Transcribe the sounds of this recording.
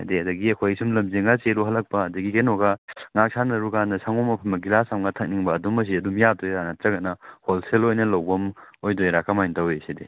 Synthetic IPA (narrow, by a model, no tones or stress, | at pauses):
a̰deɐdɐɡiɐkʰojsumlɐmzeŋɡaseluɦɐlɐk̚pɐːdɐɡikenɔɡaŋak̚sʰanɐɾukandɐsaŋomɐpʰɐmɐɡilasamɡɐtʰɐk̚niŋbɐːdumɐs̬iɐdumjatojanɐtɾɐɡɐnɐholselojnɐlɐwbɐmojdojɾakamajntɐweside